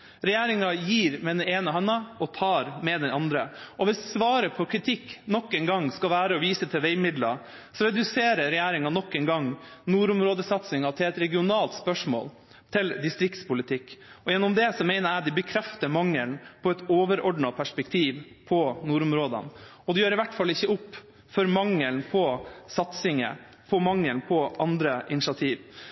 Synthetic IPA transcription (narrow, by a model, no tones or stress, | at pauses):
ɾɛjeːɾɪŋɑjiːɾmɛd̪ɛneːnəɦɛnːɑɔt̪ʰɑːɾmɛd̪ɛnɑnd̪ɾəɔʋɪssʋɑːɾəpʰɔkʰɾɪt̪ʰɪkːnɔkːɛːnɡɑŋːskɑʋæːɾəɔʋiːsət̪ʰɪlʋeɪmɪd̪lɑ | sɔɾɛd̪ʉseːɾəɾɛjæːɾɪŋɑnɔkːɛːnɡɑŋnuːɾʊmɾoːd̪əsɑt̪sɪŋɑt̪ʰɪlɛt̪ɾɛɡɪʊnɑːlt̪spœʂmo̰ːl | t̪ʰɪld̪ɪst̪ɾɪk̚t̪spʊlɪt̪ʰɪkːɔjɛnːɔmd̪ɛsɔmeɪnəɾæːd̪ɪbəkʰɾɛft̪əɾmɑŋːəlnpʰɔɛt̪oːʋəɾɔɖɳɑpʰæʂpɛkt̪ʰiːʋ | pʰɔnuːɾʊmɾoːd̪ə̰n | ɔd̪ɛjøːɾɪʋæʈːfɑlːɪçːəʊpː | fɔɾmɑŋːəlnpʰɔsɑt̪sɪŋə̰ | pʰɔmɑŋːəlnpʰɔʔɑnd̪ɾəʔɪnɪʃɑt̪ʰiːʋ